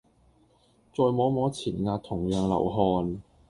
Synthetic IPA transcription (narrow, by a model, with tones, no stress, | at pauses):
t͡sɔː˧jmɔː˨˥mɔː˨˥t͡sʰiː˨˩nŋaː˧t̚t̪ʰːʊ˨˩ŋjœː˨˧ŋlɐ̰˨˩wɦɔː˧n